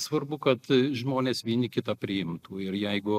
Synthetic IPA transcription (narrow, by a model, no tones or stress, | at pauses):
sʋɐrbʊkɐt̪ʒmoːnʲeːsʋʲiɛnʲɪkʲɪt̪ɑpʲɾʲɪɪmt̪uːɪrjɛɪɡʊ